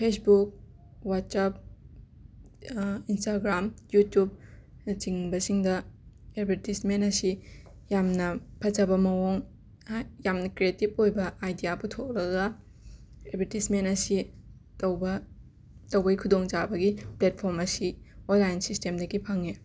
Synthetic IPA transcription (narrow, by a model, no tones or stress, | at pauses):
pʰesbuk̚ | wat̚sap̚ | instaɡɾamjutjub̚t͡ʃiŋbɐsiŋdɐed̚bʱeɾtismentɐsi | jamnɐpʰɐzɐbɐmɐwoŋ | jamnɐkɾietip̚ojbɐajdijabutʰok̚lɐɡɐ | edbʱeɾtismentɐsi | tɐwbɐ | tɐwbɐɡikʰudoŋd͡ʒabɐɡiplet̚pʰoɾmɐsionlajnsistemdɐɡipʰaŋi